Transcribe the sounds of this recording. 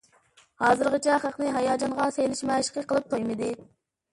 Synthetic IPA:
hɑːzɨɾʁət͡ʃʰɛχəqnɨɦɑjɑːd͡ʒɑnʁɑsejlɪʃmæʃɪ̥qəqəlˠɨp̚t̪ʰojmɨd̪ɪ

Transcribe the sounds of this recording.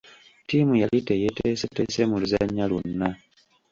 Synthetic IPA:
tiːmujalitejetesete̞semuluzaɲːalunːa

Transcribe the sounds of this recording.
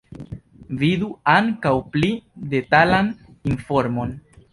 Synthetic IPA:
viduaŋkawplide̞talan | info̞ɾmo̞n

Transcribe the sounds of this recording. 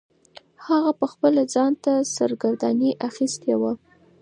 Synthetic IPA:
haɣapəxpəlad͡zɑnt̪asaɾɡaɾd̪aniʔaxist̪ewa

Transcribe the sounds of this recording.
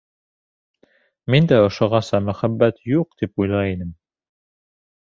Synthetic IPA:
mind̪æŏʃŏʁɑsɑmɵ̆χæbːæt̪juq̚t̪ipujlˠɑinɘm

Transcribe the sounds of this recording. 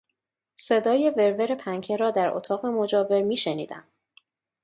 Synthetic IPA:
se̞d̪ɒːje̞ve̞ɾve̞ɾe̞pʰæŋcʰeɾɒːd̪æɾʔo̰t̪ʰɒːɣe̞mo̞d͡ʒɒːve̞ɾmiːʃenḭːd̪æ̰m

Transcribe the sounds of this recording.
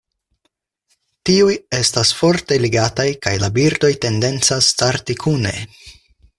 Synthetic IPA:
tiuje̞stasfo̞ɾte̞liɡatajkajlabiɾdo̞jte̞nde̞nt͡sastaɾtikʰune̞̰

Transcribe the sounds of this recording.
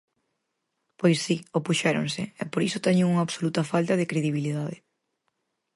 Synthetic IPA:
pojsːiopuʃɛɾo̰ŋsɪɛpoɾisot̪ɛɲʊŋuŋɐaβsolut̪ɐfalt̪ɐðɪkɾeðiβ̞iliðaðɪ

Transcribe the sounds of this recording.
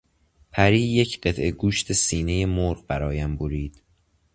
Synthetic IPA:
pʰæɾiːjecʰɢe̞t̪ʰʔe̞ɡuːʃt̪ʰesiːne̞jemoɾʁbæɾɒːjæmboɾiːd̪̥

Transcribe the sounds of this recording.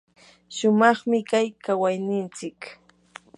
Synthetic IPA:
ʃʊmɑχmɪkajkawajnɪnt͡sɪk

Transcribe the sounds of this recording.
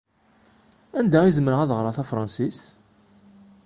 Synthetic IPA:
ænd̪æizmɾəʁæðʁɾˤɑθæfɾˤɑnsis

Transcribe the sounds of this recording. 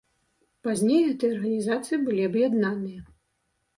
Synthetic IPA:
pazʲnʲejɣɛt̪ɨjɐɐrɣɐnʲizat̪sɨjibɨlʲiɐbjad̪nanɨjɐ

